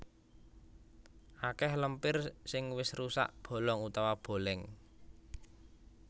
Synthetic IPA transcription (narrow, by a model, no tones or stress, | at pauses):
ʔakɛhləmpɪrsɪŋwɪsrusa̰ʔb̥o̤lɔŋut̪awab̥o̤lɛŋ